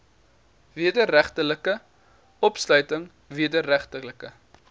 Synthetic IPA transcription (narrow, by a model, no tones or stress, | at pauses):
viədəɾæχtələkə | ɔpslœɥtəŋ | viədəɾæχtələkə